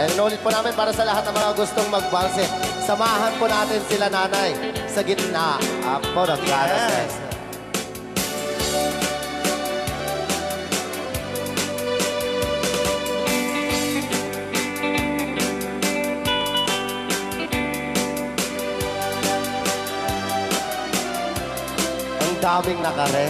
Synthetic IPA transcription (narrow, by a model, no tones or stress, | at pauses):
nɪnuːlɪt̪̚pʊnaːmɪnpaːɾɐsɐlɐɦat̪̚nɐŋmɐŋaɡʊst̪oŋmɐɡ̚baɾsɛsɐmaːɦɐnpʊnaːt̪ɪnsɪlanaːnajsɐɡɪt̪naponɐŋɡaːnɐsɛs | ɐŋɡaːwiŋnakaɾɛ